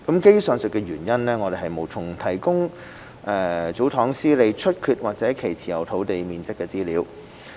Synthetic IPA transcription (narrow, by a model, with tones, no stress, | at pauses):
kɐ˨˥mke˥jsœː˨˧ŋsɵ˨˩kːɛ˧ɥyː˨˩njɐ˥nlɛː˥ŋɔː˨˧d̪e˨jɦɐ˨jmo˨˧wt͡sʰʊ˨˩ŋt̪ʰɐ˨˩jkʊ˥ŋ | ʔɛː˨˧t͡so˨˥wt̪ʰɔː˨˥ŋsiː˥le˨˧jt͡ʃʰɵ˥t̚kʰyː˧t̚waː˨˩t͡sɛː˨˥kʰe˨˩jt͡sʰiː˨˩jɐ˨˩wt̪ʰo˨˥wt̪e˨jmiː˨˧nt͡sɪ˥kːɛː˧t͡siː˥liː˨˧˥w